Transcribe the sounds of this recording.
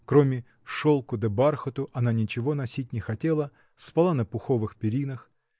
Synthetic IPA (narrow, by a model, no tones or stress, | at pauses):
kɾomʲɪ | ʂolˠkʊd̪ɐbarxət̪ʊʔɐnanʲɪt͡ɕɪvo̞nɐsʲit̚ʲnʲɪxɐtʲelˠə | spalˠanəpʊxo̞vɨxpʲɪɾʲinəx